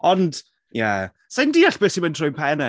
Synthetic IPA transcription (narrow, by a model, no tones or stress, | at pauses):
ɔnd̥ | ja̰ | sajndiːaɬb̥eːsiməntʰrɔjnpʰɛnɛ